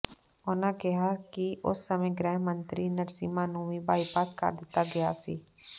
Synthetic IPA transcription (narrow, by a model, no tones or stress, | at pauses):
ʊnãkɪɦakiʊ̰sːəmẽɡɾɛːɦmə̃nt̪ɾinəɾsiːmaːnuːĩbaːipaːskə̰ɾd̪ɪt̪aɡɐjaːsḭː